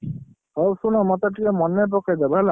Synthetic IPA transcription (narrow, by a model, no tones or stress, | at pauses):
ɔsunɔmɔt̪aʈikemɔnːep̬ɔkʰed̪ɛbla